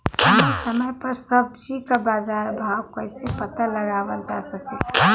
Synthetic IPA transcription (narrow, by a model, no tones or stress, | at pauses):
səməsəməjpəɾsəb̚d͡ʒikabad͡ʒaɾbʱawkəɪsepət̪aləɡaʋəld͡ʒasəkɛɛ